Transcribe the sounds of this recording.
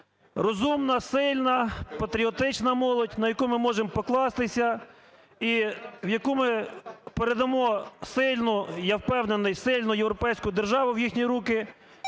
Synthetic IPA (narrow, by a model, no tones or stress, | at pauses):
rɔzumnɐsɪlʲnɐpɐt̪ɾʲiɔt̪ɪt͡ʃnɐmɔlˠɔdʲnɐjɐkumɪmɔʒempɔklˠɑst̪ɪsʲɐ | iwjɐkumɪpeɾed̪ɐmɔsɪlʲnʊjɐwpɛwnenɪjsɪlʲnʊjewɾɔpɛjsʲkʊjd̪erʒɑʋʊwjixʲnʲiɾukɪ